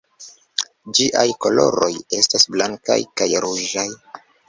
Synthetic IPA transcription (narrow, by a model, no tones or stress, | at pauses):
d͡ʒiʔajko̞lo̞̰ɾo̞je̞stasblaŋka̰jkajɾuʒaj